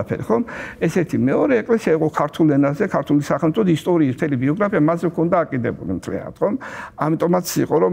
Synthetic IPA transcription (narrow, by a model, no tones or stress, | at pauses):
apʰɛ̰ɾiχɔmɛsɛɾt̪ʰimɛɔɾɛːkʼlɛsiaiqʼɔkʰaɾt̪ʰulɛnazɛkʰaɾt̪ʰulisaχɛlmt̪ʼʰɔt̪ʰist̪ʼɔɾiːsmt̪ʰɛlibiɔɡɾapʰiamazɛvkʰɔnd̪aːkʼid̪ɛbṵlḭmt̪ʰlḭa̰na̰t̪χɔmamit̪ʼɔmat̪sʰiqʼɔɾɔ